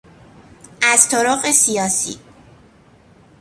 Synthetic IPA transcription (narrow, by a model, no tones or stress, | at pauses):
ʔæzt̪ʰoɾɒːɢesijɒːsḭ